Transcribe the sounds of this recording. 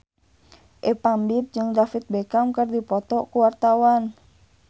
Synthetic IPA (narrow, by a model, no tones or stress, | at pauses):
ʔɛpambip̚d͡ʒɨŋdafit̪̚bɛkamkərdipɔt̪ɔkuwart̪awan